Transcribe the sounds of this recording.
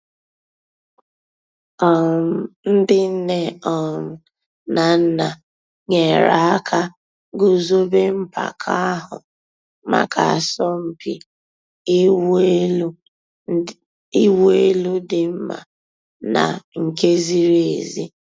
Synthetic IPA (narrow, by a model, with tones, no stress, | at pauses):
ɔ˨n̩˦dɪ˦n̩˦ne˦ɔ˨n̩˨ | na˨n̩˦na˨ | ŋe˨ɾa˨a˦kʰa˦ | ɡʊ˦zo˦be˦m̩˦pa̰˨kʰa˦a˦ɦʊ̰˨ | ma̰˨kʰa˨a˨sɔ˦m̩˨pi˨˦ | i˦wo˦e˦lu˦dɪ˨m̩˦ma̰˨ | na̰˨ŋ̩˨ke˦zi˦ɾe˨zi˦